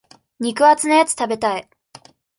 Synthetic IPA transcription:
ɲ̟ikɯ̟at͡sɨnojat͡sɨ̥t̪abe̞t̪ai

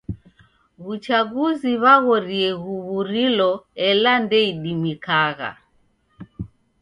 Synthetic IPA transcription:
βut͡ʃaɡuziβaɣɔɾiɛɣuβuɾilɔɛlandɛiɗimikaɣa̰

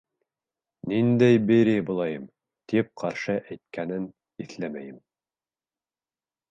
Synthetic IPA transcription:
nind̪æjbiɾibulˠɑjɤm | t̪ip̚qʰɑɾʃɤʔæjt̪̚kʰænɘn | iθlæmæjɘm

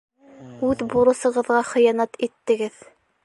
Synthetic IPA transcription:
ʉðbuɾɤ̆sɤ̆ʁɤ̆ðʁɑχɤ̆jɑnɑt̪it̪ːɘ̆ɡɘð

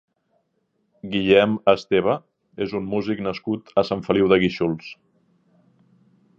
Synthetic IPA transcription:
ɡiʎɛməst̪eβ̞ə | ezummuziknəskut̪əsaɱfəliwðəɣiʃulˠs

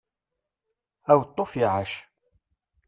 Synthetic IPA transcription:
æwt̪ˤːofiʕaʃ

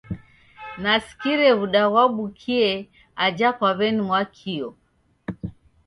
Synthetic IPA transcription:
nasi̥kiɾɛβuɗaɣwaɓukʰiɛ | ad͡ʒakwaβɛnimwakʰiɔ

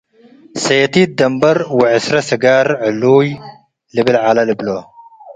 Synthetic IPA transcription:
sɐt̪id̪ɐmbɐɾwɪʕɪsɾɐsɨɡaɾʕɨlːuj | lɨbɨlʕalɐlɨblo

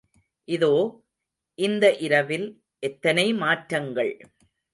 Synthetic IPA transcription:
ʔɪðoː | ʔɪnd̪ɐʔɪɾɐʋɪl | ʔɛt̪ːɐnɐɪmaːʈɾɐŋɡɐɭ

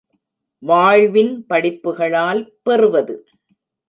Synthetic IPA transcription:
ʋaːɻʋɪnpɐɽɪpːɯɣɐɭaːlpɛrɯʋɐðɯ

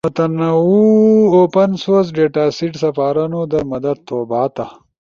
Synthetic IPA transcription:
mɐt̪ɐnɐwuoːpɐnsoːz̬ɖeːʈaːsiʈsɐfaːɾɐnod̪ɐmɐd̪ɐd̪̚t̪ʰoːbaːt̪ɐ

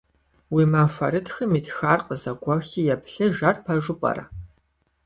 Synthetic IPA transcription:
wiːmafɐrɨtxɨmiːtʰxaːrqəzɐɡʷɐxiːjɛpɬɐʒɐrpʰɐʒʊpʼɐ̰rɐ̰

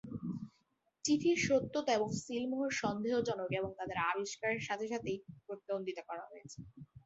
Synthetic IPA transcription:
t͡ɕifʰiɾʃot̪ːot̪oeboŋsilmoɦoɾʃɔnd̪eɦod͡ʑɔnokeboŋt̪ad̪eɾabiʃkaɾeɾʃat̪ʰeʃat̪ejpɾot̪ːaond̪it̪okɔɾaɦojet͡ɕʰe̥

